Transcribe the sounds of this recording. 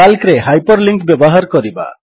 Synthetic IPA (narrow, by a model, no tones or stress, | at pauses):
alkɾeɦajpɔɾliŋkbjɔbɔɦaɾkɔɾiba̰